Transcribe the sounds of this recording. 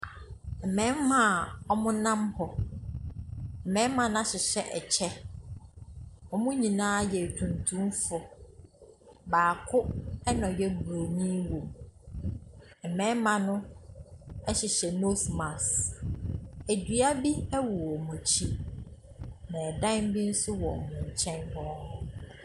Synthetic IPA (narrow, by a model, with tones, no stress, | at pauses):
m̩˨mɛ̃˦mːã˦˨ɔ˦mʊ̃˦nã˦mhɔ˨ | m̩˨mɛ̃˦mã˨n˦a˦ɕɪ˨ɕɛ˦ʔɛ̰˨t͡ɕʰɛ˦ | ɔ˦mʊ̃˦ɲĩ˨nãː˦jɛ˨tʰũ˨ntʰũ˦mfɔ˨ | baː˨kʰʊ˦ɛ˦nɔ̃˨jɛ˦bu˨ɾo˨ɲĩ˦wõ˨m | m̩˨mɛ̃˦mã˨nʊ̃˦ | ɛ˦ɕɪ˨ɕɛ˨no˦smã˨s | æ˨dɥa˦bi˦ɛ˦wu˨ɔ˨mɔ̃˨t͡ɕʰi˦ | nã˨dã˦n˦bi˦n̩˦sʊ˦wɔ̰˨mʊ̃˨ɲ̩˨t͡ɕʰɛ̃˦ndɔ˦nʊ̃˨